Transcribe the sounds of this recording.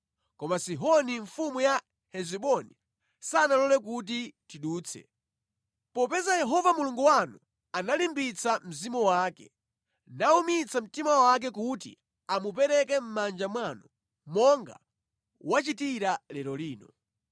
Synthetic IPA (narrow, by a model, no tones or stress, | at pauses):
kɔmasiɦɔniɱfumuja | hɛziɓɔni | sanalɔlɛk̬ut̬itiɗuːt͡sʰɛ̰ | pɔpɛzajɛɦɔvamuluŋɡuwanu | analimbit͡sʰam̩zimɔwaːkɛ̰ | naumit͡sʰam̩timawak̬ɛkutḭ | amup̬ɛɾɛkɛm̩mand͡ʒamwanɔ | mɔŋɡa̰ | wat͡ʃitiɾalɛɾɔliːnɔ